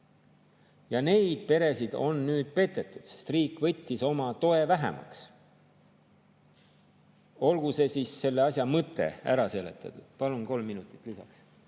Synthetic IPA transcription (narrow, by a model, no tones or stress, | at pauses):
jɑne̞jd̪̥̚pe̞ɾe̞sid̪̥o̞̰nːyːd̪̥̚pe̞t̪ːe̞t̪ːˑu̥d̪̥se̥st̪riːkːˑvɤ̞t̪ʲːiso̞mɑt̪o̞e̞væɦḛmɑ̰ks | o̞lɡ̥use̞siːsːe̞lːeɑsjɑmɤt̪ːˑe̞̰æ̰ɾɑse̞ːle̞t̪ːˑɑt̪ud̪̥pɑlunko̞lmːinut̪ːˑi̥t̪ːˑlisɑ̰ks